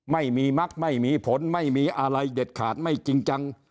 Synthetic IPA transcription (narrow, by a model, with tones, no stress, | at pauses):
ma˥˩jmiː˧ma˦˥k̚ma˥˩jmiː˧pʰo˩˦nma˥˩jmiː˧ʔa˧ɾa˧jde˨˩t̪̚kʰaː˨˩t̪̚ma˥˩jt͡ɕi˧ŋt͡ɕa˧ŋ